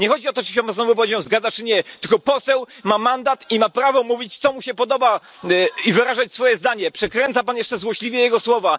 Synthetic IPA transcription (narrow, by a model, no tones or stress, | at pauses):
ɲɛxɔd͡ʑiɔt̪ɔʐɘɕɛpamazɔvup̬ɔed͡ʑɛ̃wzɡad̪at͡ʂɘɲɛt̪ɘlkɔpɔsɛw | mamand̪at̪imapɾavɔmuvʲit͡ɕt̪sɔmuɕɛpɔd̪ɔba | ivɘɾaʐat͡ɕsfɔjɛzd̪aɲɛpʂɛkɾɛnt̪sapanjɛʂt͡ʂɛzwɔɕlʲivʲjɛjɛɡɔswɔva